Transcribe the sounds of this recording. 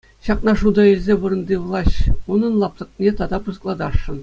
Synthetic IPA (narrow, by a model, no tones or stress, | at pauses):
ɕɑqnɑʂud̪ɑilʲzʲeʋɯ̆ɾɤ̆nd̪ʲiʋlˠɑɕunɤ̆nlˠɑp̚t̪ˠɤ̆knʲet̪ɑd̪ɑpuzɤ̆klˠɑd̪ɑʂːɤ̆n